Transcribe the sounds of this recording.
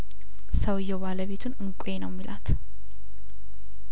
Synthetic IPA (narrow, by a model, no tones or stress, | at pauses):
səwjːɛbaləβe̞t̪ʰunɨŋkʷʼjenəwmːilʔa̰t̪